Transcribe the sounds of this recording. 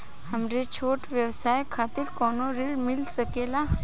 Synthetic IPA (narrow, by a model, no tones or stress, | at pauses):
hɐmɾet͡ʃʰoːʈʋjɐwsaːjkʰaːt̪ɪɾkɔːnoɾɪlmɪlsəkeːlaː